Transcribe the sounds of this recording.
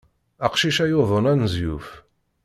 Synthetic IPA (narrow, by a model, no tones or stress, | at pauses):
aqʃiʃæjoðˤənænzjṵf